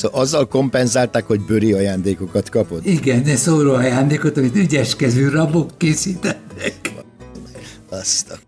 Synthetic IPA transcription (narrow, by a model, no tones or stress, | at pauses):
oʔɒzːɒlko̞mpɛnzaːlt̪aːkho̞ɟbøɾiɒjaːnd̪eːko̞kɒt̪kɒpo̞t̪iɡɛnd̪ɛsoːɾoɒjaːnd̪eːkot̪ɒmit̪yɟɛʃkɛzyːrɒbokːeːsiːt̪ɛt̪ːɛkmɛɒst̪ɒ